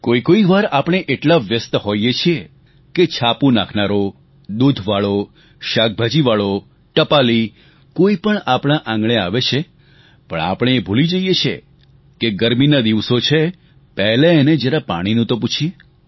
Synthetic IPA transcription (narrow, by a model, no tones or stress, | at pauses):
koikoiʋaɾapɽ̃eʔeʈlaʋjəst̪hojet͡ʃʰie | ket͡ʃʰapũnakʰnaɾo | d̪ud̪ʱʋaɭo | ʃak̚bʱad͡ʒiʋaɭo | ʈəpali | koipəɳapɽñãʔãŋɡɳ̃eaʋet͡ʃʰe | pə̰ɳa̰pɽ̃eːbʱulid͡ʒəjet͡ʃʰḛ | keɡəɾminad̪iʋsot͡ʃʰe | pɛɦleːned͡ʒeɾapa̰ɽ̃inũt̪oput͡ʃʰie